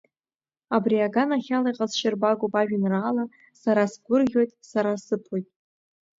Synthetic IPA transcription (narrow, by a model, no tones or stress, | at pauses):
abriaɡanaχʲalajqʼazʃɪrbaɡʷopʼaʒᶣɪnraːla | saɾasɡʷʊrʁʲo̞jtʼsaɾasɨpʰojtʼ